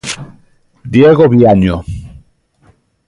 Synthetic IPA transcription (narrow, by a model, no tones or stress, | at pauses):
d̪jeɣoβjaɲo